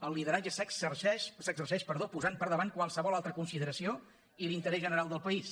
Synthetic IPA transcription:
əlˠliðəɾad͡ʒəsəksərʃɛʃsəɡzərsɛʃpəɾðopuzanpəɾðəβankwalˠsəβɔlˠalˠt̪ɾəkunsiðəɾəsio | ilint̪əɾɛzʒənəɾalˠd̪əlˠpəis

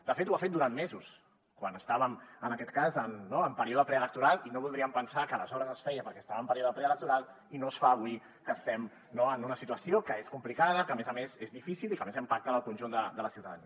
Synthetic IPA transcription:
d̪əfet̪uafet̪̚d̪uɾanmezus | kwanəst̪aβəmənəkɛt̪kazənːoəmpəɾioðəpɾɛələk̚t̪uɾalˠinoβulˠd̪ɾiəmpənsakəːləzɔɾəzəsfɛjəpəɾkɛst̪aβəmpəɾioðəpɾɛələk̚t̪uɾalˠ | inosfaːβui | kəst̪ɛm | noənunəsit̪uəsiokəeskumplikaðəkəːmezəmezezðifisilikəmezimpak̚t̪ənəlˠkunʒund̪əd̪ələsiwt̪aðəni

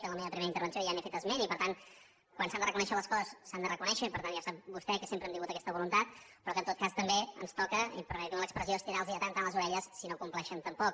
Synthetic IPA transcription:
t̪ənləmeβəpɾimeɾəint̪əɾβənsiojanefet̪əzmenipəɾt̪an | kwansand̪ərəkunɛʃələskɔzəssːand̪ərəkunɛʃəipəɾt̪anjasap̚bust̪ɛkəsempɾəɛmd̪iŋɡut̪əkɛst̪əβulunt̪at̪̚pɾɔkənt̪ot̪kast̪əmbeə̰nst̪ɔkəḭpəɾmɛt̪iunələkspɾəzioəst̪iɾalˠzðiət̪ant̪anləzuɾɛʎəsːinokumplɛʃənt̪əmpɔk

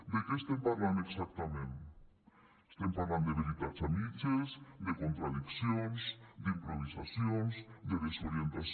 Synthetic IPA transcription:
d̪ekeːst̪empaɾland̪oeksak̚t̪amẽnt̪ | est̪empaɾland̪oeβeβit̪aɾsamit͡ʃesd̪ekont̪ɾaðiksjonsd̪impɾoβ̞isasjonzd̪eðesoɾjent̪as

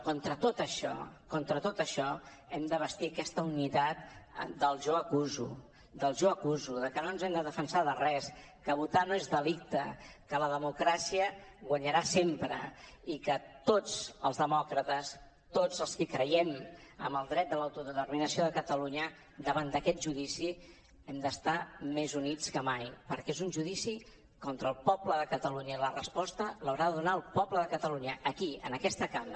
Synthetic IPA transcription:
kont̪ɾət̪ot̪əʃɔ̰kont̪ɾət̪ot̪əʃɔ | ɛmd̪əβ̞əst̪iəkɛst̪əunit̪at̪̚d̪əlˠʒoəkuzṵ | d̪əlˠʒoəkuzuðəkənonzɛmd̪əðəfənsaðərɛs | kəβ̞ut̪anoezðəlik̚t̪əkələðəmukɾasiəɣwəɲəɾasempɾə̰ikət̪od͡zəlˠzðəmɔkɾət̪əs | t̪od͡zəlˠskikɾəjɛmə̰mbəlˠd̪ɾɛt̪̚d̪əlawt̪uðət̪ərminəsioðəkət̪əluɲə | d̪əβand̪əkɛt̪̚ʒuðisi | ɛmd̪əst̪amezunit͡skəmajpəɾkɛezunʲʒuðisi | kɔnt̪ɾəlˠpɔbləðəkət̪əluɲəilərəspɔst̪ələwɾaðəðunaəlˠpɔbləðəkət̪əluɲəʔːkiə̰nəkɛst̪əkal

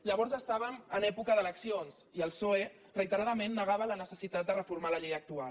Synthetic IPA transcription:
ʎəβɔɾzəst̪aβəmənɛpukəðələksionziəlˠsoe | rəit̪əɾaðəmenːəɣaβələnəsəsit̪at̪̚d̪ərəfuɾmaləʎejək̚t̪ual

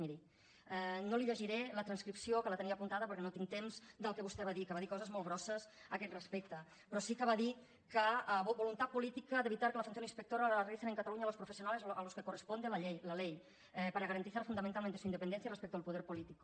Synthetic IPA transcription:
miɾi | ɛnoliʎeʒiɾɛlət̪ɾənskɾipsiokələt̪əniapunt̪aðəpəɾkɛnot̪iŋt̪emzd̪əlˠkəβust̪ɛβaðikəβaðikɔzəzmolβɾɔsəsəkɛt̪rəspɛk̚t̪ə | pɾɔsikəβaði | kəəβbulunt̪apulit̪ikəd̪əβit̪aɾkələfunθjoninspək̚t̪oɾalərisenəŋkat̪aluɲalospɾufəsiunalezaloskəkurəspond̪eləʎejləlej | ɛpəɾəɣɐɾənt̪iθaɾfund̪ɐmẽnt̪alˠment̪esuind̪əpənɛns̬jərəspɛk̚t̪əːlˠpuðɛɾpulit̪ik

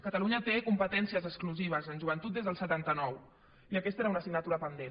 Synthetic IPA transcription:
kət̪əluɲət̪ekumpət̪ɛnsiəzəkskluziβ̞əzənʲʒuβ̞ənt̪ut̪̚d̪ezðəlˠsət̪ant̪ənɔw | iəkɛst̪eɾaunəsiɡnət̪uɾəpənd̪en

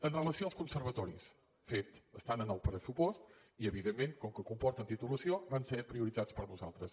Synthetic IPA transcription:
ənrəlˠəsioalˠskubsəɾβət̪ɔɾḭs | fet̪əst̪anənɔwpəɾəsupɔst̪ | iəβiðemːẽnt̪koŋkəkumpɔɾt̪ənt̪it̪uləsioβanseɾpɾiuɾidzat̪spəɾnuza̰lˠt̪ɾəs

